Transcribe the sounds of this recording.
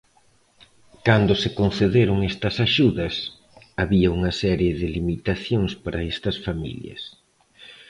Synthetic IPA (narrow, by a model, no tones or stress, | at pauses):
kand̪ʊsɪkon̟θeðeɾʊŋest̪ɐsaʃuðɐs | aβiɐuŋɐsɛɾjeðɪlimit̪aθjoŋspaɾʔɐ̰est̪ɐsfamḭljɐ̰s